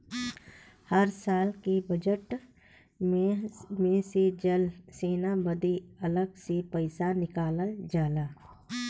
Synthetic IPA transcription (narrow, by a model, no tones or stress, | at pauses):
həɾsaːlkibəd͡ʒəʈ | mẽsed͡ʒəlseːnabəd̪eɐləɡsepəɪsanɪkaːləld͡ʒaːlaː